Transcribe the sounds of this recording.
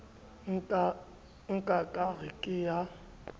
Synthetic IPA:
ŋ̩kʼakʼaɣɪkʼɪja

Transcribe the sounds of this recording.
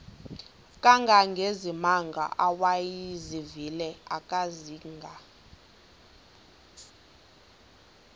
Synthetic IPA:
kʼaŋɡʱaŋɡʱezimaŋɡʱa̰ʔawajizivilɛakʼaziŋɡʱa

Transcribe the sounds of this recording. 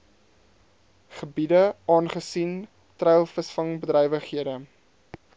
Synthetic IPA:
χəbidəɑːnχəsin | trɛjlˠfəsfɐŋbədrɛjvəχɦiədə

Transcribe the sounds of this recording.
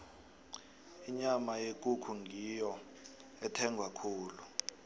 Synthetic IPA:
iɲamajek̬ʼukʰuŋʱijɔ | ɛtʰɛŋɡʱwakʰuːlu

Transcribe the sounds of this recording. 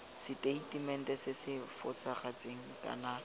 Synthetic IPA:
sɪteitimɛn̩tɛsɪsɪfʊ̰saχat͡seŋ̩ka̰na

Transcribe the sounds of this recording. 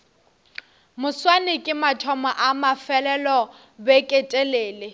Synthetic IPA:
mʊswanɪkʼɪmatʰɔmaʔamafɛlɛlɔ | bɛkʼɛtʼeleːlɪ

